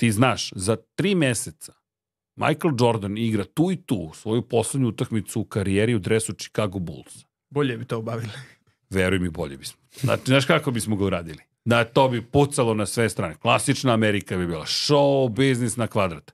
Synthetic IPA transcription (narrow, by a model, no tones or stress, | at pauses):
t̪iːznaːʃzat̪ɾiːmeset̪sḁ | mʔa̰jkelˠd͡ʒo̞ɾd̪aniɡɾat̪uːit̪ṵːsʋo̞jupo̞sled̪ɲuut̪akmit̪suːkaɾijeɾiud̪ɾesut͡ʃi̥kaɡobṵlˠs | boʎebit̪obaʋili | ʋeɾujemibo̰ʎebismozna̰t͡ʃiznaːʃkakobismoɡauɾaːd̪ili | d̪at̪oːbiput̪salo̞nasʋest̪ɾaːneklˠasit͡ʃnaːmeɾikabibiːlˠa̰ʃoubiznisnakʋad̪ɾat̪